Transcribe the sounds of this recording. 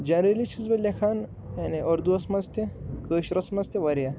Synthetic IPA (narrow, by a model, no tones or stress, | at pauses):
d͡ʒɐnɾelit͡ʃʰizbɐlʲɐkʰaːn | janiʔɐɾd̪uɐsmɐst̪ʲekəːʃɾɐsmɐzt̪eʋɐɾja